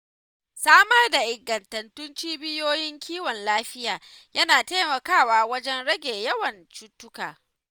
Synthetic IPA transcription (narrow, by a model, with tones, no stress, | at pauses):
saː˦mɐ˦rda˨ʔɪ˨ɡːɐ˨ntɐ˨ntʊ˦nt͡ʃiː˦bɪ˦joː˦jɪ˦ŋkʲiː˦wɔ˨nlaː˦ɸɪ˦jaː˨ | jɐ˦naː˨teː˦mɐ˨kaː˦˨waː˨˦wɐ˦d͡ʒɛ˦nɽɐ˦ɡʲeː˨jɐ˦wɐ˨nt͡ʃuː˦tːʊ˦kaː˨